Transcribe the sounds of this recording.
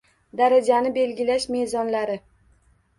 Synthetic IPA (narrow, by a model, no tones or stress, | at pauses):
d̪aɾad͡ʒanɪbe̞lɡʲɪlaʃme̞zɒnlaɾɪ